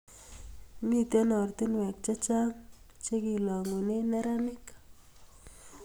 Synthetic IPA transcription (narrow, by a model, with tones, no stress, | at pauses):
mi˦t̪e˦nɔ˨rt̪i˦nwɛ˨k̚t͡ʃa˦t͡ʃa˦ŋ | t͡ʃe˦ki˨lɔ˨ŋo˨ne˦nɛ˦ɾa˦mɪ˦k